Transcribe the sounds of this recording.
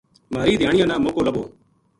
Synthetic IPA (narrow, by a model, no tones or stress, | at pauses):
maːɾiːd̪ʱjaːɳɪjãːnãːmoːkoːləɓo̰ː